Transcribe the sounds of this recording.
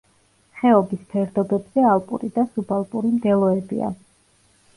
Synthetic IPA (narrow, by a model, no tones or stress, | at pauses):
χɛɔbispʰɛɾd̪ɔbɛbz̥ɛalˠpʼṵɾid̪asubalˠpʼuɾimd̪ɛlˠɔɛbḭa̰